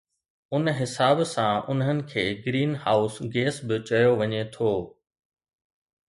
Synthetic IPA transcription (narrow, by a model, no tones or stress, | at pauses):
ʊnɦɪsaːbsãʊnɦənɪ̆kʰeːɡɾiːnɦaːʊsɡeːsbɪt͡ɕɐjoʋɐɲet̪ʰoː